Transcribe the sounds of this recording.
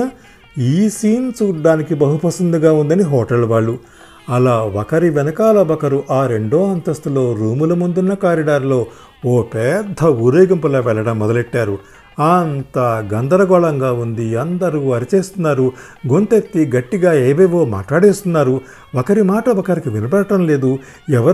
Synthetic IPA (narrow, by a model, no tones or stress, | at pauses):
iːsiːnt͡ʃuːɖːaːnikibɐɦupɐsɐnd̪uɡaːund̪ɐniɦɔːʈɐlʋaːɭːu | ɐlaːʋɐkɐɾiʋɛnɐkaːlɐbɐkɐɾuʔaːɾe̞ɳɖoːɐnt̪ɐst̪ulo̞ːɾuːmulɐmund̪unːɐkaːɾiɖaːɾlo̞ː | oːpɛːd̪ʱɐuɾeːɡɐmpulɐːʋɛɭːɐɽɐmːɔd̪ɐleʈːaːɾu | aːnt̪ɐɡɐnd̪ɐɾɐɡɔːɭɐŋɡaːund̪iɐnd̪ɐɾuɐɾit͡ʃeːst̪unːaːɾu | ɡo̞nt̪et̪ːiɡɐʈːiɡaːeːʋeːʋo̞ːma̰ːʈlaːɽeːst̪unːaːɾu | ʋɐkɐɾimaːʈɐbɐkɐɾikiʋinɐbɐɽɐʈɐmle̞ːd̪u | ɛʋɐɾ